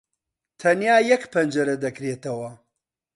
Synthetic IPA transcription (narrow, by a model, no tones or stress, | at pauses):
t̪ʰɐnjaːjɐkpʰɐnd͡ʒɐɾɐd̪ɐkɾeːt̪ɐwɐ